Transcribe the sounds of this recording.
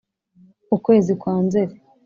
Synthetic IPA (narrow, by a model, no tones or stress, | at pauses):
ukwe̞ːzikwaːnze̞ɾe